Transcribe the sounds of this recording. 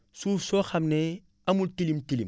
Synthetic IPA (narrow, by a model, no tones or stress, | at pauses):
suːfsoxamne | amultilimtilim